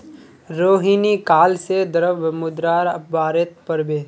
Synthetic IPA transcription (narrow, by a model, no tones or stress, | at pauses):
ɾoːɦinikaːlsed̪əɾəʋmʊd̪ɾaːɾəbaːɾet̪̚pəɾbeː